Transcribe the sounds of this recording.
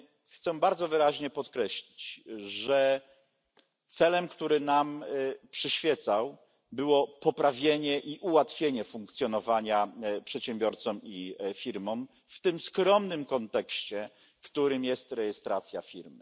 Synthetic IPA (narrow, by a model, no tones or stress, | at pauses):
xt̪sɛbaɾd̪zɔvɘɾaʑɲɛpɔt̪kɾɛɕlʲit͡ɕʐɛ | t̪sɛlɛmkt̪uɾɘnampʂɘɕfʲjɛt̪saw | bɘwɔpɔpɾavʲjeɲɛʔiʔuwat̪fʲjeɲɛfuŋkt̪sʲjɔnɔvaɲapʂɛt̪ɕɛmbʲjɔɾt̪sɔmifʲiɾmɔm | ft̪ɘmskɾɔmnɘmkɔnt̪ɛkɕt͡ɕɛ | kt̪uɾɘmjɛst̪ɾɛjɛst̪ɾat̪sʲjafʲiɾmɘ